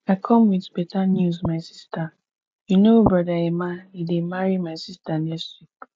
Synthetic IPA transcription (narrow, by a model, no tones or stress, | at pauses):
aɪkʰɔ̃mwidbetanjuzmaɪsista | junobɹɔdaemaidemaɹimaɪsistanɛsju